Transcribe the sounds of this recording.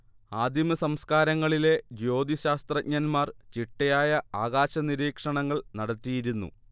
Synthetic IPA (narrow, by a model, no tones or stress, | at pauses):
aːd̪ʱimɐsɐmskaːɾɐŋːɐɭile̞d͡ʑo̞ːd̪iɕaːst̪rɐɲɐnmaːrt͡ɕiʈːɐjaːjɐaːɣaːɕɐniɾiːkʂɐɳɐŋːɐɭnɐɽɐt̪ːijiɾunːṵ